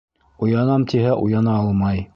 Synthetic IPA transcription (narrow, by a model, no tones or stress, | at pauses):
ujɑnɑmt̪ʰiɦæʔujɑnɑɑlˠmɑj